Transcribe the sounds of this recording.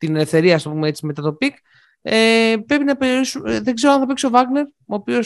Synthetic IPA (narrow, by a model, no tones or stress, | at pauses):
t̪ine̞le̞fθe̞ɾiɐɐsopumeet͡simet̪ɐt̪o̞pik | epɾepinɐpe̞ɾioɾisumðeɡzeɾoɐnθɐpiksovɐɣne̞ɾ | oːpio̞s